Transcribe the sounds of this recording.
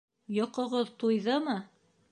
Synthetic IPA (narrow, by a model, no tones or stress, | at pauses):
jɒqɤ̆ʁɤðt̪ujðɤmɤ